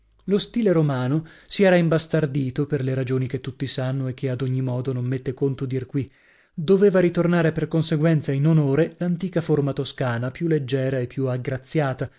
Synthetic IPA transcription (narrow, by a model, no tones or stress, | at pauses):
lost̪iːleɾomaːnosiɛːɾaimbast̪ard̪iːt̪operleɾad͡ʒoːnik̟et̪ːut̪ːisanːoek̟ːead̪oɲːimɔːd̪onomːet̪ːekont̪od̪irkwi | d̪oveːvaɾit̪ornaːɾeperkonseɡwɛnt̪sainonoːɾelant̪iːkaformat̪oskaːnapjulːed͡ʒːɛːɾaepːjuaɡɾat̪sːjaːt̪a